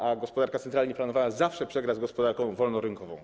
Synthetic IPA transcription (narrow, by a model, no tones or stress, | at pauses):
aɡɔspɔd̪aɾkat̪sɛnt̪ɾalɲiplanɔvawazafʂɛpʂɛɡɾazɡɔspɔd̪aɾkɔ̃w̃vɔlnɔɾɘŋkɔvɔ̃w̃